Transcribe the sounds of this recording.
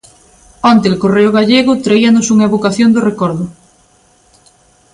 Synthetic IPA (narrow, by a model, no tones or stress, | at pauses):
ant̪elkoreʊɣ̞aʎeɣʊt̪ɾaianosuŋaeβokaθjond̪orekɔɾðʊ